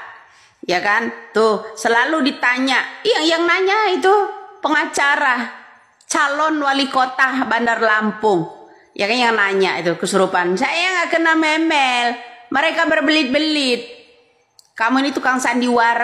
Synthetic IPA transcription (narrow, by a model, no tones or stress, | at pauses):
jakant̪ʊsəlaludit̪aɲaʔjaŋjaŋnaɲait̪̬upəŋat͡ʃaɾa | t͡ʃalɔnwalikot̪abandarlampʊŋ | jʔakanjaŋnaɲaʔit̪ukəsuɾupansajajaŋɡaʔkənamemɛlməɾekabərbəlɪt̪̚bəlɪt̪̚ | kamuinit̪ukaŋsandiwaɾ